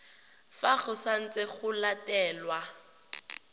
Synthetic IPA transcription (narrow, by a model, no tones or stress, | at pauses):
faɣʊsan̩t͡sʼɪɣʊlatʼɛːlwa